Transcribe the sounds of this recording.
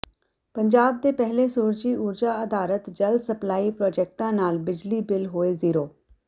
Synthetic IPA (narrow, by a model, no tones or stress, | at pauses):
pəɲd͡ʒaːb̚d̪eːpɛɦleːsuːɾd͡ʒiːʊɾd͡ʒaːəd̪aːɾət̪d͡ʒəld̪səplaːiːpɾɔːd͡ʒɛːk̚ʈãːnaːlbɪd͡ʒliːbɪlɦoːeːziːɾoː